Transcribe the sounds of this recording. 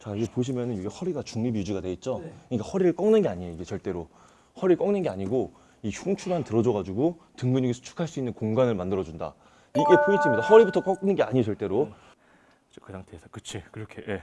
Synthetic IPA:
t͡ɕaiɡe̞poɕ̬ʰimjʌnɯnjoɡehʌɾiɡat͡ɕuŋɲibjud͡ʑiɡadwe̞it̚t͡ɕ͈oɯɲik͈ahʌɾiɾɯɭk͈ʌŋnɯnɡe̞aɲieiɡe̞t͡ɕʌɭt͈e̞ɾo | hʌɾiɭk͈ʌŋnɯnɡe̞aɲiɡo | içuŋt͡ɕʰumantɯɾʌd͡ʑʌɣad͡ʑuɡotɯŋɡɯɲiɡesʰʌ̥t͡ɕʰu̥kʰaɭs͈uinːɯnkoŋɡanɯɭmandɯɾʌd͡ʑunda̰ | iɡe̞pʰois͈ɯmɲːidahʌɾibutʰʌk͈ʌk̚nɯnɡe̞a̰ɲiot͡ɕʌɭt͈e̞ɾo | t͡ɕʰokɯɲaŋtesʰakɯt͡ɕʰikɯɾʌkʰeje̞

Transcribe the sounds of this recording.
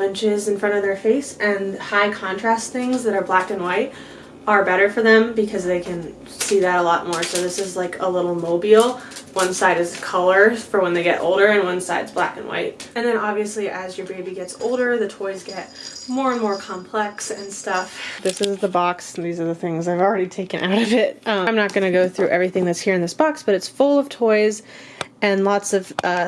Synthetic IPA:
lɪ̃nt͡ʃɪzɨ̃nfɹʌ̃ɾ̃ʌvðə˞feɪsɨ̃nhaɪkʰɑ̃ntʰɹ̥æstθɪ̃ŋzðɨɾə˞blækɨ̃nwaɪt | ə˞bɛɾə˞fə˞ðɨ̃mbɨkʰʌzðeɪkʰɨ̃n | siðɨɾəlɔt̚mɔɹsoʊðɪsɨzlaɪkʰəlɪɾl̩ˠmoʊbil̩ˠwʌ̃nsaɪɾɨzkʰʌlˠə˞fə˞wə̃nðeɪɡɛ̰ɾʔo̰ʊlˠdə˞ɨ̃nwʌ̃nsaɪdzb̥læ̰kɨ̰̃nwa̰ɪt̚ɨ̃nðɨ̃ñɑbviɨsliʔɨzjə˞beɪbiɡɛtso̰ʊlˠdə˞ðɨtʰɔɪzɡɛt̚mɔɹə̃nmɔɹkʰɑ̃mpʰl̥ɛksɨ̃nstʌfðɪsɨzðəbɑksðizə˞ðɨθɪ̃ŋzaɪvl̩ˠɹɛɾitʰeɪkɨ̃nʔa̰ʊɾʌvɪt̚ʌãɪ̃mnət̚ɡ̥ʌnɨɡoʊθɹʉʔɛvɹiθɪ̃ŋðtshiɹɨ̃nðɪsb̥ɑksb̥ʌɾɨtsfʊlˠʌv̥tʰɔɪzɨ̃nlɑtsʌv̥ʌ

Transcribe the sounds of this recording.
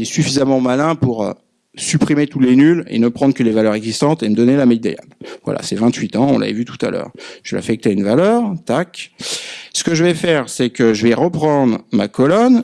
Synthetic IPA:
ɛsyfizamɑ̃malɛ̃puʁø̰ | sypχimet̪ut̪lenylḛnəpχɑ̃d̪ʁkəlevalœʁɛɡzist̪ɑ̃t̪eməd̪ɔnelamɛjd̪a̰ja̰nvwa̰lʔa̰sɛvɛ̃t̪ɥit̪ɑ̃ɔ̃lʔa̰vɛ̰vyt̪u̥t̪a̰lœ̰ːʁʒ̥əlʔa̰fɛk̚t̪eynvalœːʁt̪ak | sə̥kəʒəvɛfɛʁsɛkəʒəvɛʁəpχɑ̃d̪ʁma̰kɔlɔn

